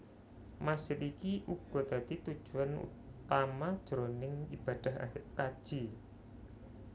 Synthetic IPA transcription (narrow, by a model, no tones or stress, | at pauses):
masd͡ʒ̥ɪt̪ikiʔuɡ̥ɔ̤d̪̥ä̤t̪it̪ud̥ʒ̥ṳanṵt̪amad̥ʒ̥ɾonɪŋib̥a̤d̪̥a̤hakḁʒ̥i